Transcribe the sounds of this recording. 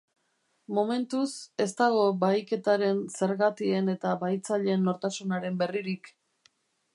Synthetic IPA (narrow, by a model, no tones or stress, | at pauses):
mome̞nt̪use̞st̪aɣ̞o̞bajke̞t̪aɾe̞nse̞ɾɣat̪ie̞ne̞t̪aβajt͡saʎeːnːo̞ɾt̪asunaɾe̞mbe̞riɾik